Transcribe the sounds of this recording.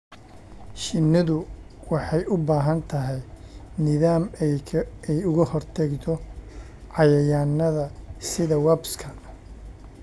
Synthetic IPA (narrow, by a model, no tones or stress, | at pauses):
ʃɪnːɪðʊ | wɑħɑjʊbaːɦɐnt̪ʰɐɦɛjnɪðaːm | ɛjʊɣɐhɔrt̪ʰɐɡt̪ʰɔ | ʕɑjɐjaːnːɐðɐsɪðɐwɐbskʰɐ